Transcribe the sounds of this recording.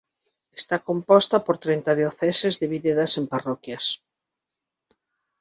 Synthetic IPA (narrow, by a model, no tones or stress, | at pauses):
est̪akompɔst̪ɐpoɾt̪ɾent̪ɐðjoθɛsezðɪβiðeðɐsemparɔkjɐs